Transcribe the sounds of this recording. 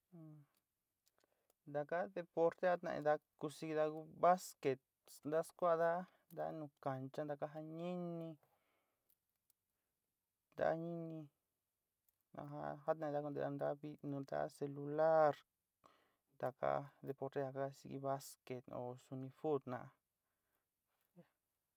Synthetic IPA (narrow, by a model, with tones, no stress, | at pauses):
nd̪a˨ka˦ðe˧po˧ɾt̪e˦ha˦t̪nã̰˧ʔḭ˧d̪a˧˦ku˧si˧ɡi˧ða˧ɣu˦βa˦ske˨t̪̚ | nd̪a˦skʷa˦ʔða˦ | nd̪a˧˦nũ˧ka˨nt͡ʃa˦nd̪a˧ka˦ɦa˧ɲĩ˦nĩ˧ | nd̪a̰˦˧˦ɲĩ˦nĩ˧ | nã̰˧ɦa̰˦ha˦t̪nã˧˨˧d̪a˦ku˧d̪e˧a˧nd̪a˧˦βi˦nũ˧nd̪a̰˦se˧lu˧la˦ɾ | nd̪a˨ka̰˧˦d̪e˧po˧ɾt̪e˧a˧ka˧sḭ˧ɡḭ˧βa˦ske˨t̪o̰˨su˧nĩ˧fu˦d̪nã̰˨ʔ